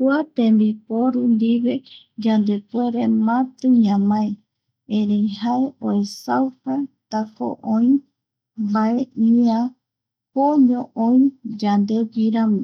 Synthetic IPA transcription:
kuat̪ẽmbipoɾund̪iβe | d͡ʒand̪epweɾemãt̪ɨɲãmãe | ẽɾejhaeoesawpat̪ako̰ʔõĩ | baeʔiã | poɲõʔõj̃d͡ʒand̪eɡiɾãmĩ

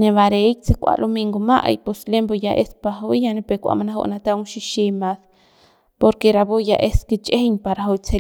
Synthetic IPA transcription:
neβaɾek̚t͡sekʷa̰lʔomiŋɡomaʔjposlembojaʔespaɦojjanepekʷa̰ʔmanaɦo̰ʔnat̪auŋʃiʃimas | poɾkeɾabojaʔesket͡ʃʼehɲpaɾaɦojt͡sʰe

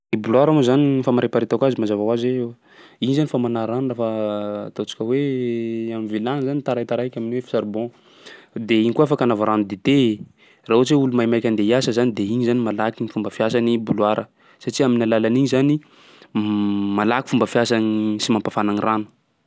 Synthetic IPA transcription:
ibuluaɾamuzanifamaɾepaɾit̪akazimazavawazweew | iɲizanifamanaɾanrafət̪ot͡ʃi̥kʲəwe | amivilanzanit̪aɾajt̪aɾajkʲaminiwefi̥saɾubɔ̃ | d̪eiɲikuafakanavaɾanud̪et̪ee | raut͡ʃeulumajmajkʲand̪eiasəzanid̪eiɲizanimalakinifumbəfijasanibulwaɾə | saʈ͡ʂiaminalalaniɲizani | malaki̥fumbəfiasanisimampafananiranu̥

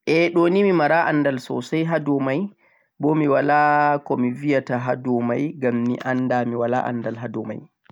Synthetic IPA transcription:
ʔɛɗonimimaɾaʔanːdalsɔ̰sajɦadɔmaj | bɔmiwalakɔmivijataɦadɔmajɡamːḭʔanːdamiwala̰ʔa̰ndalɦadɔma̰j

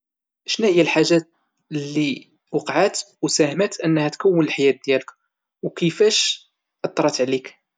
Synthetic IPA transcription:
ʔʃnæhəjːælħaʒæt̪ | lːi | wɑqʕat̪ | wsæhmæt̪ʔənːhæt̪kəwːənəlħajæt̪̚d̪jælək | wkəfæʃ | ʔɑt̪ˤːɾˤɑt̪ʕlik

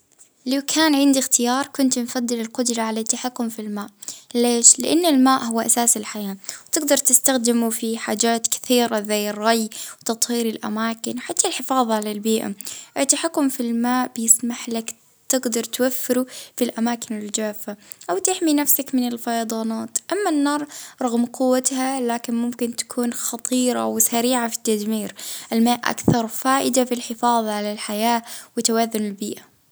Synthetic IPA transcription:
lawkʰaːnʕɪnd̪ixt̪ʰɪjɑːɾˤkʊnt̪mfad̪ːɪlɪlqʊd̪ɾˤɑʕalat̪ːaħakːʊmfilmaːʔleːʃlɪʔanːʊlmaːʔhʊwːʔasaːsɪlħajaːwt̪ɪɡd̪ɑɾˤt̪ɪst̪axd̪ɪmufiħaːd͡ʒaːt̪kɪ̥θiːɾazajːɪrˤːɑjwt̪ɑt̪ˤhiːɾɪlʔa̰maːkɪnwħat̪ʰːalħɪfɑːðˤʕalalbiːʔa̰ʔɪt̪ːaħakːʊmfilmaːʔb̥jɪsmaħlak | t̪ɪɡd̪ɑɾˤt̪wafːɪɾufilʔamaːkɪnɪld͡ʒaːfaʔawt̪ɪħminafsakmɪnɪlfɑjɑd̪ˤɑːnɑːt̪ʔamːanːɑːɾˤɾˤɑɣmqʊwːat̪halaːkɪnmʊmkɪnt̪ḁkʰuːnxɑt̪ˤiːɾˤɑ̰wsaɾiːʕafi̥t̪ːad̪miːɾʔɪlmaːʔʔa̰kθɑɾˤfaːʔɪd̪afilħɪfɑːðˤɑʕalalħajaːwɪt̪ːawaðːʊnɪlbiːʔa

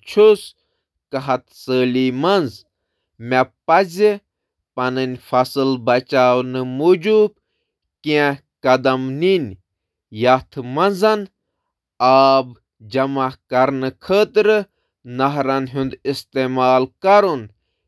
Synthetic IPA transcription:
t͡ʃʰus | kɐɦɐt̪səːlimɐnz | mepɐzʲi | pɐnɨnʲfɐsɨlbɐt͡ʃaːwnɨmuːd͡ʒub̚ | kiɛ̃ | kɐd̪ɐmninʲ | jɐt̪ʰɨmɐnzɐn | aːb | d͡ʒɐmakɐɾnɨkʰəːt̪ɾɨ | nɐɦɾɐnɦũnd̪ist̪eːmaːlkɐɾun

